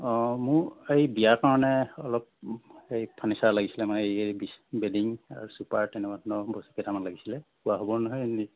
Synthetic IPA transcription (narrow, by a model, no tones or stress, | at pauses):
mʊɹejbijaɹkaɹɔnɛɔlɔp̚ejpʰanisaɹlaɡisilɛmanɛejejbisbediŋa̰ɹusupaɹtɛnɛmatnɔbɔsu̥ketamanlaɡisilɛpuaɦɔbɔnɔɦɔjni